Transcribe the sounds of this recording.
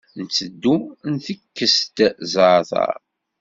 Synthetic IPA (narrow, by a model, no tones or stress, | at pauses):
nt͡sːəd̪ːunθəkːəst̪zəɾθɑ̰ɾ